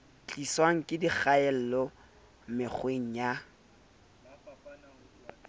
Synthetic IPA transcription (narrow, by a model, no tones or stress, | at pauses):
t͡ɬʼiswaŋ̩kʼɪdiχaɛl̩lɔ | mɪk͡xʰweŋ̩ja